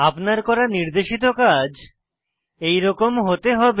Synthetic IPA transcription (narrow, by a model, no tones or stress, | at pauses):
apnaɾkɔɾaniɾd̪eʃit̪̬okad͡ʑ | ejɾɔkomɦot̪eɦɔbe